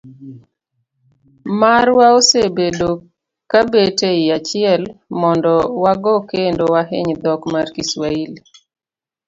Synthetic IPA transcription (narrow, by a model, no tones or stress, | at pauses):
maɾwaosebedo | kabeteɪat͡ʃɪɛlmɔndɔwaɡɔkendowaɦḛɲd̪ɔkmarkiswaili